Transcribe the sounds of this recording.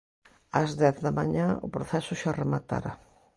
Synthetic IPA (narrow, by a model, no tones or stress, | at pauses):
ɐzðɛθðɐmaɲãʊ̰pɾoθɛsʊʃaremat̪a̰ɾa